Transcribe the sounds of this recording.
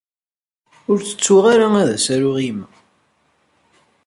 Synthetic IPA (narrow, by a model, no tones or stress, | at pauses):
ʊɾt͡sːə̥t͡sːuʁaɾaæðæsæɾʊʁim